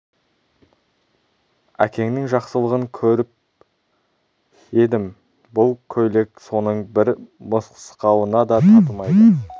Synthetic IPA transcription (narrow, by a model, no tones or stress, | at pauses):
æ̰kʲe̞ŋnɪŋʒɑqsəlˠəʁəŋkʲʰɵɾɪp̚ | e̞d̪ɪm | bʊlˠkʲʰɵjle̞kso̞nəɴbɪɾməsqə̥sqɑwənɑd̪ɑt̪ʰɑt̪əmɑjd̪ə